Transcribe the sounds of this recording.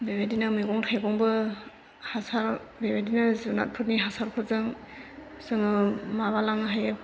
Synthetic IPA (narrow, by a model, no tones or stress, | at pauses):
bebedinɯmiɡɔŋtʰajɡɔŋbɯ | hasaɾbebedinɯzɯna̰t̚pʰɯt̚niɦasaɾpʰɯtzɯŋ | sɯŋɯmaβalaŋɦajɯ